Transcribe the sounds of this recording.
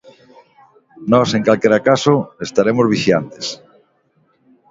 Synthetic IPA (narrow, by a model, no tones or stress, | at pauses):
nɔseŋkalkeɾakasʊest̪aɾemozβ̞iʃjant̪e̥s